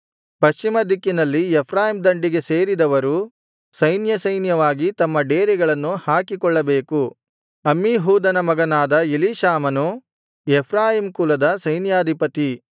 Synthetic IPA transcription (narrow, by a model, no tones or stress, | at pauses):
pɐʃt͡ʃimɐd̪ikːinɐlːiɛpʰɾaːjimd̪ɐɳɖiɡe̞seːɾid̪ɐʋɐɾu | sɐjnjɐsɐjnjɐʋaːɡit̪ɐmːɐɖeːɾiɡɐɭɐnːuhaːkikɔɭːɐbe̞ːku | ɐmːiɦuːd̪ɐnɐmɐɡɐnaːd̪ɐiliːʃaːmɐnu | ɛpʰɾaːjimkulɐd̪ɐsɐjnjaːd̪ʱipɐt̪i